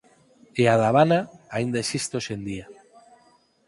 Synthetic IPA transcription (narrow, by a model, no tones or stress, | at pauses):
eaðaβanaaind̪aesist̪osend̪ia